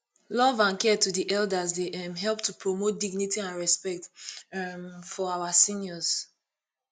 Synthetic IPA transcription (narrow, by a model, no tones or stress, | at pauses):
lɔvãnkɛtudiʔɛldazdeɛmɦɛlptʰupʰɹomot̚diɡnitiãnɹɛspɛk̚t | mfɔawasĩnjɔz̥